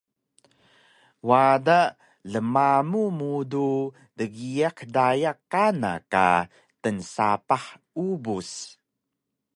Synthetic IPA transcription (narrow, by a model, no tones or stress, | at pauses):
wada | ɮəmamumudu | dəɡiaqdajakːana̰ka̰ | tənsapaħ | ubus